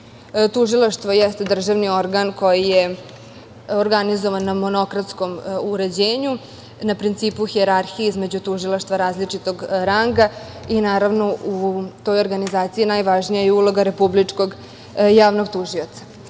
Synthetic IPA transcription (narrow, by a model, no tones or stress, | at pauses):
t̪uʒilˠaʃt̪ʋo̞jest̪ed̪r̩ʒaʋnio̞ɾɡanko̞jije | oɾɡanizoʋanːamo̞no̞kɾat̪sko̞muɾe̞d͡ʑeːɲu | napɾint̪siːpuxieɾaɾxijizme̞d͡ʑut̪uʒilˠaʃt̪ʋaɾaːzlit͡ʂit̪o̞ɡɾaŋɡa | inaːɾaʋno̞ʔut̪o̞jo̞ɾɡanizaːt̪siinaːjʋaʒnijajeulˠo̞ɡaɾe̞publit͡ʂko̞ɡ | jaːʋnoɡ̚t̪uʒiot̪sḁ